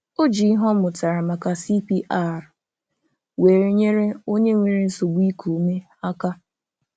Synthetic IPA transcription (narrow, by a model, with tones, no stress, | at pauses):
o˦d͡ʒi˨i˦ɦɔ˦mʊ˨ta˨ɾa˨ma˨ka˨si˦pi˦ʔa˦˨ɾ | we˨ɾe˨ɲe˦ɾe˦o˦ɲe˦ŋʷe˨ɾe˨n̩˦so˨ɡ͡bi˦kʰu˨me˦ | a˦ka˦